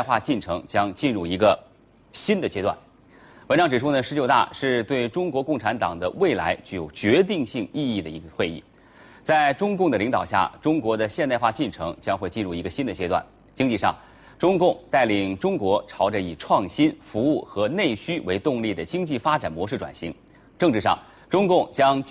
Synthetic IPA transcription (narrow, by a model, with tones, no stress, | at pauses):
ɪxwa˥˧t͡ɕi˥˩nʈ͡ʂʰɤ˧˥ŋt͡ɕjɑ˥ŋt͡ɕi˥˧nɻu˥˩i˧˥ɡə˧ | ɕi˥nd̪ə˨t͡ɕjɛ˥t̪wa̰˥˩n | wə˧˥nʈ͡ʂɑ˥ŋʈ͡ʂɻ̩˨˩ʈ͡ʂʰu˥nə˨ʂɻ̩˧˥t͡ɕjo˨˩ʊt̪a̰˥˧ʂɻ̩˥˧t̪we˥˩ɪʈ͡ʂʊ˥ŋkwɔ˧˥kʊ˥˩ŋʈ͡ʂʰa˧˥nt̪ɑ˨˩ŋd̪ə̰˦we˥˩ɪla̰˧˥ɪt͡ɕy˥˩jo˨˩ʊt͡ɕɥɛ˧˥t̪̬i˥˧ŋɕi˥˧ŋi˥˧i˥˩d̪ə˩ḭ˧˥ɡə˧xwe˥˧ɪḭ˥˩ | t͡sa˥˩ɪʈ͡ʂʊ˥ŋkʊ˥˩ŋd̪ə˩li˧˥ŋt̪ɑ˨˩ʊɕ̬ja̰˥˩ʈ͡ʂʊ˥ŋkwɔ˧˥d̪ə˧ɕjɛ˥˧nt̪xwa˥˧t͡ɕi˥˩nʈ͡ʂʰɤ̰˧˥ŋt͡ɕjɑ˥ŋxwe˥˧ɪt͡ɕi˥˧nɻu˥˩i˧˥ɡə˧˩ɕi˥nd̪ə˩t͡ɕjɛ˥t̪wa̰˥˩n | t͡ɕi˥ŋt͡ɕi˥˧ʂɑ̰˥˩ŋ | ʈ͡ʂʊ˥ŋkʊ˥˧ŋt̪a˥˩ɪli˨˩ŋʈ͡ʂʊ˥ŋkwɔ˧˥ʈ͡ʂʰɑ˧˥ʊʈ͡ʂə˧i˨˩ʈ͡ʂʰwɑ˥˩ŋɕi˥nfu˧˥u˥˩xɤ˧˥ne˥˩ɪɕy˥we˧˥ɪt̪ʊ˥˧ŋli˥˩d̪ə˩t͡ɕi˥ŋt͡ɕi˥˩fa˥ʈ͡ʂa˨˩nmwɔ˧˥ʂɻ̩˥˩ʈ͡ʂwa̰˨˩nɕi˧˥ŋ | ʈ͡ʂɤ˥˧ŋʈ͡ʂɻ̩˥˧˩ʂɑ̰˥˩ŋ | ʈ͡ʂʊ˥ŋkʊ˥˩ŋt͡ɕjɑ˥ŋ